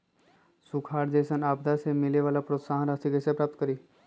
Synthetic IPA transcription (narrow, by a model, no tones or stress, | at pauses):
sukʰaːɾd̪eːsənaːbd̪asemɪleʋaːlapɾoːt̪saːɦɾaːst̪ikesepɾaːp̚t̪̚kəɾiː